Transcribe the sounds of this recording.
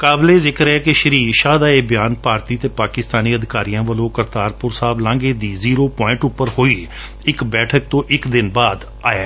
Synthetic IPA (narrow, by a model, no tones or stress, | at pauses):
kaːbleːzɪkəɾɛːkɪʃəɾiːʃaːd̪aːeːbɪjaːnpaːɾt̪iːt̪eːpaːkɪst̪aːniːəd̪ɪkaːɾijãːʋəlõːkəɾt̪aːɾpʊɾsaːblãːŋɡeːd̪iːziːɾoːpɔːɪ̃ɳʈʊpːəɾhoːiː | ɪkbɛːʈʰək̚t̪õːʔɪkd̪ɪnbaːd̪ | aːeː